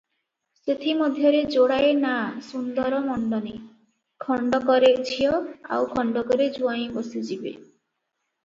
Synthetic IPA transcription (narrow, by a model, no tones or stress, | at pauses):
set̪ʰimɔd̪ʱjɔɾed͡ʒoɽajenasund̪ɔɾɔmɔɳɖɔne | kʰɔɳɖɔkɔɾet͡ʃʰijɔa̰wkʰɔɳɖɔkɔɾed͡ʒuaj̃bosid͡ʒibḛ